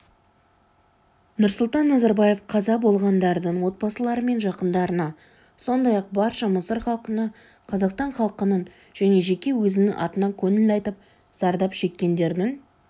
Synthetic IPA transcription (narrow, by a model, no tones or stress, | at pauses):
nʊɾsʊlˠt̪ɑnːɑzɑɾbɑje̞fqʰɑzɑbo̞lˠʁɑnd̪ɑɾd̪əɴwo̞t̪̚bɑsəlˠɑɾəme̞nʒɑqənd̪ɑɾənɑ | so̞nd̪ɑjɑq̚bɑɾʃɑməsəɾχɑlˠqənɑ | qʰɑzɑqst̪ɑɴχɑlˠqənəɴ | ʒ̥æne̞ʒe̞kʲe̞wɵzɪnɪŋʔɑ̰t̪ənɑkʲʰɵnɪlɑjt̪əp̚ | z̥ɑɾd̪ɑpʃe̞kʲːe̞nd̪e̞ɾd̪ɪŋ